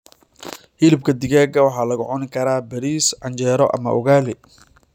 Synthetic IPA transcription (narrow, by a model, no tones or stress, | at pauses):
hɪlɪb̚kʰɐd̪ɪɣaːɡɐwɑħɑːlɐɣʊʕɔnɪkʰɐɾaːbɐɾiːsʕɑɲt͡ʃɛːɾɔʔɐ̰mɐ̰ʔʊɣaːlɪ